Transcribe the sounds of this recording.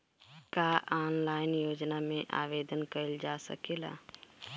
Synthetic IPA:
kaːʔaːnlaːɪnjoːd͡ʒnamẽʔa̰ːʋeːd̪ənkəld͡ʒaːsə̰keːla̰ː

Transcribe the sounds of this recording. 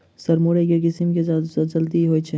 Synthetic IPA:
sɐɾmoɽekekɪsimked͡ʒɐld̪iɦoːit͡ʃʰe

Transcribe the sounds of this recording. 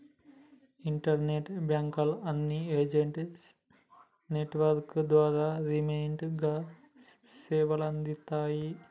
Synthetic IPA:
iɳʈɐɾneʈbjaːŋkɐlɐnːieːd͡ʒeɳɖ | neʈʋɐɾkɨd̪ʋaːɾaːɾimeːɳɖɡa | seːʋɐlɐnd̪it̪ːaːji

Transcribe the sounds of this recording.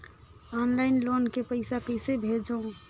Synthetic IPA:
ɔnlaɪnlonkepəɪsakəɪsebʱed͡ʒə̃

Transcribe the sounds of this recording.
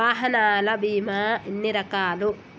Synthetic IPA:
aːɦɐnaːlɐbiːmaːinːiɾɐkaːlu

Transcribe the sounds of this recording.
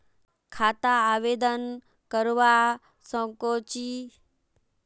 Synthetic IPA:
kʰaːt̪aːʋeːd̪ən | kəɾʋa | sə̃kot͡ʃi

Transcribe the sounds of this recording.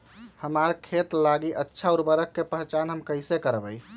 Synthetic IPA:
həmaɾkʰet̪laɡiʔətːʃʰauɾbəɾəkːepəɦt͡ʃanɦəmkəɪsekəɾbəj

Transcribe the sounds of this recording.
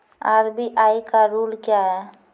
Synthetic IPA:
aːɾbiʔaːjkaɾuːlkjaɦɛ

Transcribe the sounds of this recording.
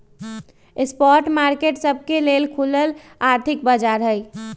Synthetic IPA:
espɔːɾʈmaːɾkeːʈsəb̚ʱkelelkʰuləl | aːɾt̪ʰɪk̚bəd͡ʒaːɾɦəj

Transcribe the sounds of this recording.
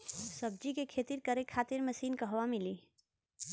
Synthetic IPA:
səb̚d͡ʒikekʰet̪iɾkəɾekʰat̪iɾməsinkəɦbamili

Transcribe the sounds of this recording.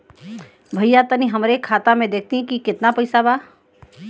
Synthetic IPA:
bʱəjjat̪əniɦəmɾekʰaːt̪amẽd̪eːk̚ʰt̪iɦɛ̃kikɪt̪napəɪsabaː

